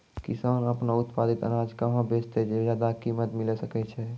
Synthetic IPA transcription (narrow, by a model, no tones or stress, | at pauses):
kisanəpnaut̪pad̪it̪ə̰nad͡ʒkəɦãbest̪ed͡ʒed͡ʒjad̪akimət̪milɛsəkɛt͡ʃʰɛ